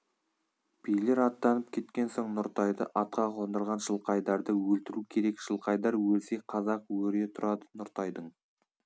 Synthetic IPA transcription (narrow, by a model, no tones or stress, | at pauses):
b̥ijle̞ɾɑt̪ːɑnəp̚kʲʰe̞t̪kʲe̞nsoɴnʊɾt̪ɑjd̪ə̰ʔɑt̪̚qɑqʰlnd̪əɾʁɑnʒəlˠqɑjd̪ɑɾd̪əwɵlt̪ɪɾukʲʰe̞ɾe̞kʒəlˠqɑjd̪ɑɾwɵlsejqʰɑzɑqwɵɾe̞t̪ʰʊɾɑd̪ənʊɾt̪ɑjd̪əɴ